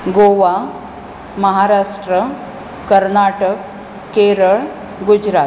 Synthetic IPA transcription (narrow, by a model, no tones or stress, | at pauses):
ɡoʋa | məɦaɾaʂʈɾə | kəɾnaʈək | kːeɾəɭ | ɡud͡ʑɾat̪